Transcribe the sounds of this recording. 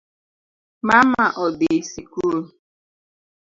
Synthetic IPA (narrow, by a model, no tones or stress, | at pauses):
mamaʔɔdesikuɾ